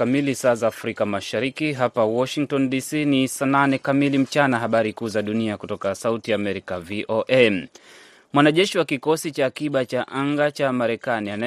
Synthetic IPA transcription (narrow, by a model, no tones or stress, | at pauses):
amilisaːzaːfɾikamaʃaɾikiɦapawɔʃiŋk̚tɔndisiːnisananɛkamilim̩t͡ʃanaɦaɓaɾikuːzaɗuniakutɔkasautiaːmɛɾikaviʔoʔe | mwanaʄɛʃiwakikɔsit͡ʃaːkiɓat͡ʃaʔaŋɡat͡ʃamaɾɛkaniana